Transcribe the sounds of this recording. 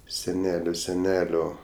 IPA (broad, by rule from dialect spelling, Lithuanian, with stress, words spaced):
sʲɛˈnʲæːlʲoː sʲɛˈnʲæːlʲoː